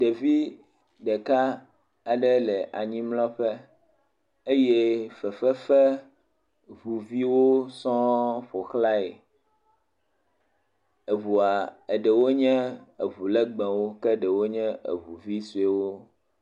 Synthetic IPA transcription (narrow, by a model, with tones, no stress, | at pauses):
ɖe˨vi˦ | ɖɛ˨ka˦ | a˨ɖɛ˦lɛ˨ʔa˨ɲĩ˦mlɔ̃˦ɸɛ˦ | e˦jɛ˦fɛ˨fɛ˦fɛ˦ | vu˨vi˦wo˦sɔ̃˦ɸo˨xla˦e˨ | e˨βu˨a˨e˨ɖɛ˨wo˦ɲɛ̃˦e˨βu˨lɛ˦ɡ͡bɛ̃˨wo˦kɛ˦ɖɛ˨wo˦ɲɛ̃˦ḛ˨βu˨vi˦su˨e˨wo˦